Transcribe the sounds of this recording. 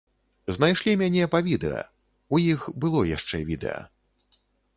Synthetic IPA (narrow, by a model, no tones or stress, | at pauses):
znajʂlʲimʲanʲɛpɐvʲid̪ɛ̰ɐ̰ | ujixbɨlˠɔjaʂt͡ʂɛvʲid̪ɛ̰jɐ̰